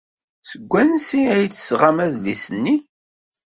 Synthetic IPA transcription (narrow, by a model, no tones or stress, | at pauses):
səɡʷːænsiæjt͡sːsʁamæðlisənːi